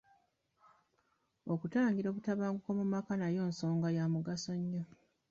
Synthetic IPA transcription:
o̞kutaːŋɡiɾo̞ːβutaβaːŋɡuko̞mumakanajo̞ːnso̞ːŋɡajamuɡaso̞ɲːo

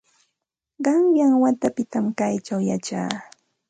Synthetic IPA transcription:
ɢɑŋjaŋwat̪apɪt̪amkajt͡ʃawjat͡ʃa̰ː

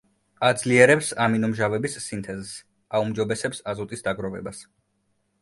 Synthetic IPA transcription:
ad̪zliɛɾɛpsaminɔmʒavɛbisːint̪ʰɛzs | aumd͡ʒɔbɛsɛpsazut̪ʼisd̪aɡɾɔvɛ̰bas

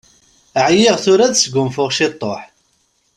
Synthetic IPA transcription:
əʕjɪʁθʊɾæðsɡʊmfʊʁʃɪt̪ˤːoħ

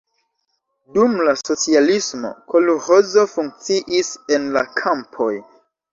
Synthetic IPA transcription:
dumlaso̞t͡sialismo̞̰kʰoluho̞zo̞fuŋk̚t͡siʔise̞nla̰kʰampʰo̞j

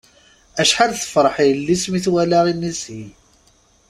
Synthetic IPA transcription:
æʃħalθə̥fɾˤəħilːismiθwælaʁinːishi

